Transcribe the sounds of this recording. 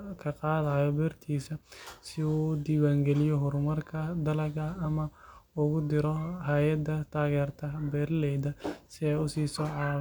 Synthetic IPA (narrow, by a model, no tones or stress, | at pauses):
kʰɐqɑːðaːjɔbɛːrt̪ʰiːsɐsɪuːd̪iːwaːŋɡɛlɪjɔɦʊrmɐrkʰɐd̪ɐlɐɣɐːmɐʊɣʊd̪ɪɾɔɦaːjɐd̪ːɐt̪ʰaːɣɛːrt̪ʰɐbɛːrlɛjd̪ɐsɪɛʊsiːsɔːʕaː